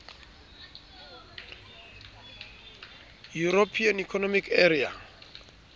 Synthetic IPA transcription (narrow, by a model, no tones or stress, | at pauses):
juɾopʰianikʰɔnɔmikʰeria̰